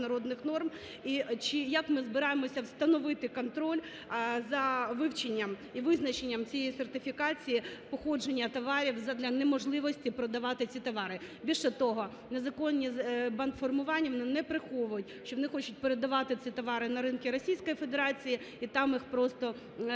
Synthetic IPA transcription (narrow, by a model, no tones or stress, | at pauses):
nɐɾɔd̪nɪxnɔrm | it͡ʃɪjɐkmɪzbɪɾɑjemɔsʲɐwst̪ɐnɔʋɪt̪ɪkɔnt̪ɾɔlʲ | zɐʋɪwt͡ʃenʲːɐm | iʋɪznɐt͡ʃenʲːɐmt͡sʲijejisert̪ɪfʲikɑt͡sʲijipɔxɔd͡ʒenʲːɐt̪ɔʋɑɾʲiwzɐd̪lʲɐnemɔʒlˠɪʋɔsʲtʲipɾɔd̪ɐʋɑt̪ɪt͡sʲit̪ɔʋɑɾɪbʲilʲʃɛt̪ɔɦɔ | nezɐkɔnʲːizbɐnt̪fɔrmʊʋɑnʲːɐʋɔnɪnɛpɾɪxɔʋʊjʊtʲʃt͡ʃɔʋɔnɪxɔt͡ʃʊt̚ʲpeɾed̪ɐʋɑt̪ɪt͡sʲit̪ɔʋɑɾɪnɐɾɪnkʲiɾɔsʲijsʲkɔjife̞d̪eɾɑt͡sʲiji | it̪ɑmjixpɾɔst̪ɔ